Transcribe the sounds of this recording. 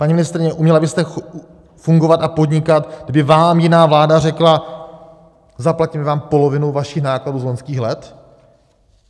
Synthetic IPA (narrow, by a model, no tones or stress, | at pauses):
paɲimɪnɪst̪ɾɪɲɛʔumɲɛlabɪst̪ɛ | fuŋɡo̞vat̪apo̞dɲɪkat̪ɡ̚dɪbɪvaːmjɪnaːvlaːdar̝ɛkla | zaplacɪmɛvaːmpo̞lo̞vɪnowvaʃɪxnaːkladuːzlo̞ɲskiːxlɛt̪